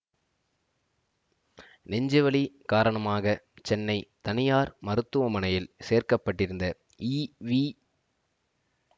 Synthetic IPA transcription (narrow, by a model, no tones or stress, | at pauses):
nɛɲd͡ʒɪʋɐɭikaːɾɐɳɐmaːɣɐ | t͡ʃɛnːɐɪt̪ɐnɪjaːɾmɐɾɯt̪ːɯʋɐmɐnɐjɪlseːrkɐpːɐʈːɪɾɯnd̪ɐ | iːʋi